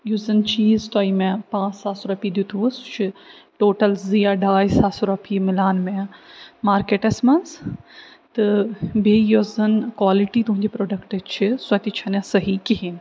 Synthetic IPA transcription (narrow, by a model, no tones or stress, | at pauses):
juzɐnt͡ʃiːzt̪oimẽpãːsaːsuɾɐpiːd̪jut̪ʰuʋust͡ʃʰiʈoːʈɐlzijaɖaːjsaːsuɾɐpʰiːmɪlaːnmẽmaːɾkeːʈesmɐns | t̪ɨbʱeːjozɐnkwaːliʈiːt̪ũɦɲd͡ʑepɾoːɖɐkʈɐt͡ʃʰisɐt̪it͡ʃʰɐnẽsɐɦikiɦin